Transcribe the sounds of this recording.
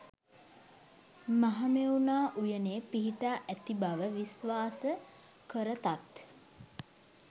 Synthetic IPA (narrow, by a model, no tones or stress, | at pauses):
maɦamewunaːʔujəneːpiɦiʈaːʔæt̪ibaʋəʋisʋaːsə | kəɾət̪at̪